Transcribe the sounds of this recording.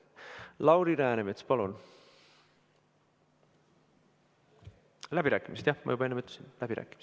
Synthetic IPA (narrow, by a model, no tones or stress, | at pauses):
lɑwɾiɾæːnemet̪spɑlun | læbiɾæːkːˑimist̪jɑhmɑ̰jubɑe̞nːemyt̪ːˑe̥sinlæb̥iɾæ̰ːkːˑimis